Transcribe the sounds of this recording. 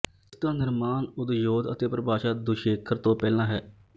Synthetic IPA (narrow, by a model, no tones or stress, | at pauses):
t̪ãːnɪɾmaːnʊd̪joːd̪ət̪eːpɾəbaːʃaːd̪ʊʃeːkʰəɾt̪õːpɛːlãːɦɛː